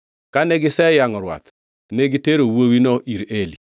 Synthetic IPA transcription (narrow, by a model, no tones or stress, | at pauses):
kaneɡɪsɛjaŋɔɾwa̰t̪ | neɡiteɾowowinɔʔiɾeli